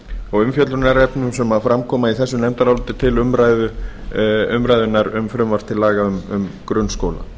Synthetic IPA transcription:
ɔɣʏmfjœt̪lɾʏɾnaɾɛpnʏmsɛmafɾamkʰɔːmaiθɛsːʏnɛmt̪aɾawlʏːt̪ɪt̪ʰɪlʏmɾaːjðʏ | ʏmɾajðʏnːaɾʏmfɾʏmvaɾ̥t̪ʰɪlːaːɣaʏmʏmkɾʏnskoːwla̰

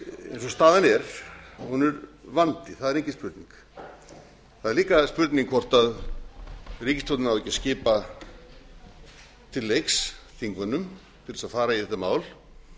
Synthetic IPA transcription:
ḛjnsɔst̪aːðanɛɾ̥hunɛɾvant̪ɪθaðɛɾehɲcɪspʏɾt̪niŋk | θaðɛɾliːkaspʏɾt̪niŋkfɔr̥t̪að | riːcɪ̥st̪ʰɔwt̪nɪnaðvɛcːɪscɪːpa | t̪ʰɪlːejksθiŋkvʏnːʏm | t̪ʰɪɾɛsaðfaːɾaiθɛt̪amaːwl

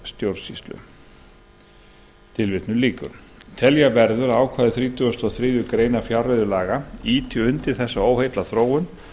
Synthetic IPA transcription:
st̪jowɾsḭst̪lʏ̰ | t̪ʰɪlvɪt̪nʏliːkʏ̰ɾ̥t̪ʰɛljavɛɾðʏɾaːwkʰvaːðɪθɾiːt̪ʰʏʏst̪ɔθɾɪːðʏkɾeːjnafjawrːeðʏlaːɣaiːt̪ʰʏʏnt̪ɪɾ̥θɛsːaoːwhejt̪laθɾoːwʏn

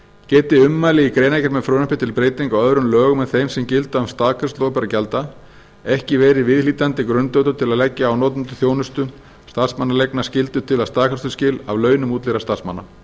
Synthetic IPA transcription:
cɛːt̪ɪʏmːaːlɪikɾejnajcɛɾmɛðfɾoːwnahpɪt̪ʰɪlpɾeːjt̪iŋkawœðɾʏnlœːɣʏmɛðθejmsɛmcɪlt̪ʏavst̪aːkʰḁst̪loːpɛɾacɛlt̪a | ɛhcɪvɛːɾɪvɪðliːt̪ant̪ɪkɾʏnt̪œwt̪ʏɾt̪ʰɪlaðlɛcːaawnoːt̪ʏnt̪ʏ̥θjoːwnʏst̪ʏ | st̪aðsmanalejknascɪlt̪ʏt̪ʰɪlast̪aːkʰaɾ̥st̪ʏ̥scɪlavlœːɥnʏmuːt̪lɪɾast̪aðsma̰nːa̰

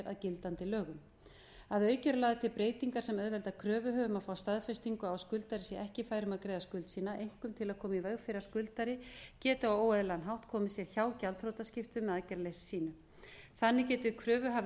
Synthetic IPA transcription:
ɾa̰ðcɪlt̪ant̪ɪlœːɣʏm | aðœːɥcɛɾlaːðɪt̪ʰɪlpɾeːjt̪iŋkaɾ̥sɛmœðvɛlt̪akʰɾœːvʏɦœːvʏmaðfaːwst̪aðfɛst̪iŋkʏawskʏlt̪aɾɪsjɛʔɛhcɪfaːjɾʏmaðkɾejðaskʏlt̪siːnaʔejŋ̥kʏmt̪ʰɪlaðkʰɔːmaivɛɣfɪɾɪḁskʏlt̪aɾɪcɛːt̪ʏawoːwɛðlanɦawht̪kʰɔːmɪsjɛɾ̥çaːwcalt̪θɾowt̪ascɪft̪ʏmːɛacɛɾlejsːiːnʏ | θanːɪcɛːt̪ʏɪkʰɾœːvʏɦav

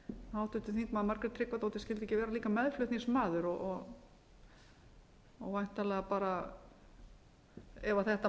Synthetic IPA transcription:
aːwt̪ʏht̪ɪθĩŋkmaðmaɾkɾʏɾt̪ʰɾɪkvat̪owt̪ɪscɛlt̪ɛhcɪvɛːɾaliːkamɛðflœht̪ismaːðʏɾɔɣɔɣ | ɔɣvajn̥t̪alɛɣapaːɾa | ɛvaθɛht̪a

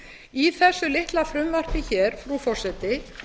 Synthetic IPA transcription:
iθɛsːʏlɪht̪lafɾʏmvar̥p̪ɪçɛːɾ̥fɾufɔr̥sɛt̪ɪ

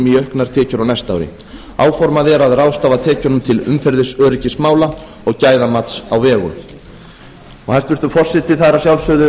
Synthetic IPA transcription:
miœhknaɾ̥t̪ʰɛːcʏɾawnajst̪a̰wɾɪ̰ | aːwfɔɾmaðɛɾaðrawst̪aːvat̪ʰɛːcanʏmt̪ʰɪlʏ̰mfɛɾðɪsœːɾɪcɪsmaːwla | ɔɣcaːjðamat̪sawvɛːɣʏ̰ | ɔɣhajst̪vɪɾt̪ʏfɔr̥sɪt̪ɪθaðɾasjawlsœːðʏ

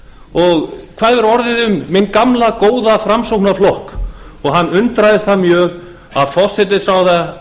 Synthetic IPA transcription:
ɔɣkʰv̥aːðvɛɾɔɾðɪðʏmːɪnkamlakoːwðafɾamsowknaflɔhk | ɔɣɦanːʏnt̪ɾajðɪst̪hamjœːɣ | aðfɔ̥sɛt̪ɪsawða

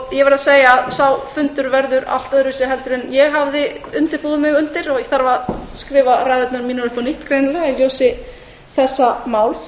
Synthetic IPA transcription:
jɛvɛɾaðseːjaːðsawfʏnt̪ʏɾvɛɾðʏɾa̰l̥t̪œðɾʏsɪɦɛlt̪ʏɾɪnjɛɣɦavðɪʏnt̪ɪɾ̥puːðʏmɪɣʏnt̪ɪɾɔɣθaɾvaðskɾɪːvaɾajðœt̪naɾmiːnɔɾʏspɔnɪht̪kʰɾeːjnɪlɛɣailjoːwsɪ | θɛsːamaːwls

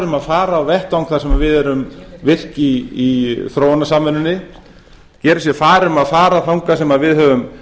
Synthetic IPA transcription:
ɾʏmaðfaːɾaːwvɛht̪awŋkθaɾsɛmaðvɪðɛɾʏmvɪr̥ciː | θɾoːwanasaːmɛnʏnːɪ | cɛːɾɪsjɛfaːɾɪmaðfaːɾaθawŋkasɛmaðvɪðɦœvʏm

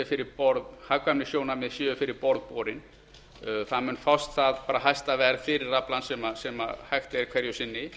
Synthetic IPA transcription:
ʏfɪɾɪɾpɔɾðhakvamnɪsjoːwnamɪðsjʏːvʏfɪɾɪɾpɔɾðpɔːɾɪn | θamʏnfawst̪θaðpaːɾaɦajst̪avɛðɾfɪɾɪrːaplansɛmasɛma̰hajxt̪ɪɛɾkʰvɛɾjʏsɪnːɪ

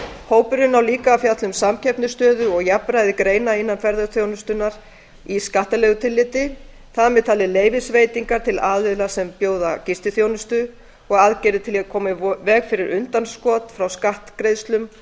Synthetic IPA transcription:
hoːwpʏɾʏnawliːkaːfjat̪lʏmsamcʰɛpnʏst̪œːðʏɔɣjapɾajðɪkɾeːjnaɪnːanfɛɾðʏθjownʏst̪ʏnaɾ̥ | iskaht̪alɛɣʏt̪ʰɪlːɪt̪ɪ | θaðmɛðt̪ʰaːlɪleːjvɪsveːjt̪iŋkaɾ̥t̪ʰɪlaːðvɪðlasɛmpjoːwðacɪst̪ɪθjoːwnʏst̪ʏ | ɔɣaðcɛɾɪt̪ʰɪliakʰɔːmɪvɛːɣfɪɾɪɾʔʏnt̪anskɔːt̪fɾawskaht̪kɾejðst̪lʏm

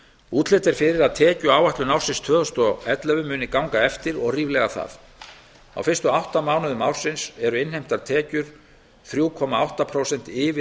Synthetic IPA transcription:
uːt̪lɛːt̪ɪɾ̥fɪɾɪɾaðt̪ʰɛːcʏaːwvaht̪lʏnawrsɪnst̪ʰvœːðɔst̪ɔɛt̪lœvʏmːʏːnɪkawŋkaɛft̪ɪɾɔɣriːvlɛɣaθa̰θ | a̰wfɪr̥st̪ʏawht̪amaːwnʏðʏma̰wɾ̥sɪnsɛɾʏɪnhejm̥t̪at̪ʰɛːcʏɾ̥ | θɾjuːkʰɔmaawht̪apʰɾowsɛn̥t̪ɪːvɪ

